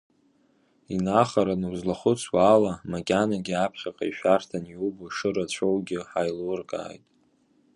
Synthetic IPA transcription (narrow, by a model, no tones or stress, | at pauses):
inaχaɾanɨwzlaχʊt͡sʷʰwaːlamakʲʼanaɡʲiapʰχʲaqʼa̰iʃᶣartʰanjuboʂɨɾat͡ɕʷʰowɡʲɪħajlurkʼa̰ːjtʼ